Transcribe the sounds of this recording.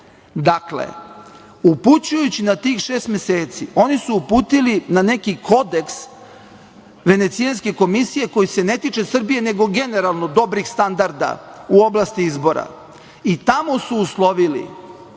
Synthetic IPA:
d̪aklḛ | uput͡ɕujut͡ɕinat̪iːxʃeːst̪mʲeseːt̪sio̞nisuːpuːt̪ilinane̞kikʰo̞d̪e̞ks | ʋe̞ne̞t̪sianske̞ko̞misije̞ko̞jise̞ne̞t̪it͡ʃe̞sr̩bije̞ne̞ɡo̞ɡe̞neɾalˠnod̪o̞bɾixst̪and̪aɾd̪a̰uo̞blast̪iizbo̞ɾa̰ | it̪amo̞suːslˠo̞ʋilḭ

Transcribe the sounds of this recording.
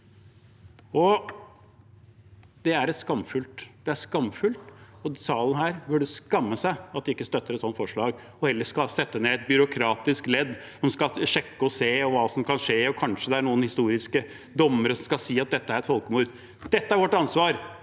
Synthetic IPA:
ɔ | d̪̥ɛæɾɛt̪skɑmfʉlt̪d̪ɛæʂkɑmːfʉlt̪ɔsɑːlən̩ɦæːɾbɵɖʉskɑmːəsæɪɑt̪̚d̪ɪkːəst̪œt̪ːəɾɛt̪sɔnt̪fɔʂɭɑːɡ | ɔhɛlːəʂkɑlsɛt̪ːəneːɛt̪̚bʏɾʊkʰɾɑːt̪ɪsklɛd̪ː | hɔnskɑʂɛkːəɔseːɔʋɑːsɔmkʰɑnʂeːɔkʰɑnʂəd̪ɛæɳuːənhɪst̪uːɾɪskə | d̪ɔmːəɾəsɔmskɑlsiːɑt̪̚d̪ɛt̪ːəæɾɛt̪fɔlˠkəmuːɾd̪ | d̪̥ɛt̪ːəæɾʋɔʈːɑnsʋɑːɾ

